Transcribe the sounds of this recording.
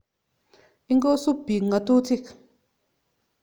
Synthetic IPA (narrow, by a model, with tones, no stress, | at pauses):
i˦ŋɡo˦su˦bi˨ŋa˨tu˦ti˦˨k